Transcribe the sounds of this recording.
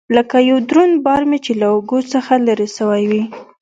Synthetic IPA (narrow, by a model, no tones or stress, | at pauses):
ləkajawd̪ɾunbɑɾmet͡ʃelaʊɡosəxalaɾesəwajwi